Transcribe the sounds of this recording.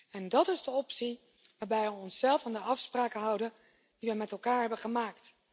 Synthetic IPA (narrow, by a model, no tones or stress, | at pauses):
ɛndɑtɪzdəɔpsi | ʋaːɹbɛjʋəɔnsɛlˠfaːndəɑfspraːkəɦɑwdən | diʋəmɛtɛlˠkaːɹɦɛbəχəmaːkt